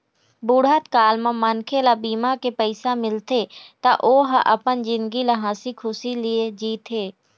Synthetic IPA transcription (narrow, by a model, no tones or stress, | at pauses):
buːɽət̪kaːlmãmənkʰelabiːmakepəɪsamɪlt̪et̪aʔoːɦʔɐpənd͡ʒɪ̃nd̪ɡiləɦãːsikʰʊsilɪed͡ʒiːt̪ɦeː